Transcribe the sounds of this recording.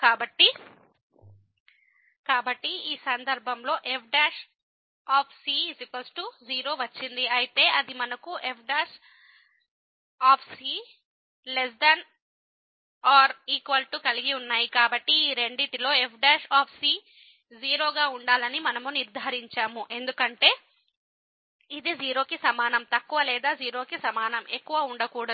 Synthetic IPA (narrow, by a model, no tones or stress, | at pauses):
kaːbɐʈːi | kaːbɐʈːiiːsɐnd̪ɐɾbʱɐmlo̞ːʔepʰɖaːʂ | aːpʰsiːsipɐsʈuziːɾo̞ːʋɐt͡ʃːind̪iɐjit̪e̞ːʔɐd̪imɐnɐkuʔepʰɖaːʃ | aːpʰsiː | les̬d̪ɐn | aːɾiːkʋɐlʈukɐliɡiunːaːjikaːbɐʈːiːɾe̞ɳɖit̪ilo̞ːe̞pʰɖaːʃaːpʰsiː | ziːɾo̞ːɡaːuɳɖaːlɐnimɐnɐmuniɾd̪ʱaːɾiɲt͡ʃaːmuʔe̞nd̪ukɐɳʈe̞ː | id̪id͡ʒiːɾo̞ːkisɐmaːnɐmt̪ɐkːuʋɐlɛːd̪aːziːɾo̞ːkisɐmaːnɐme̞kːuʋɐuɳɖɐkuːɽɐ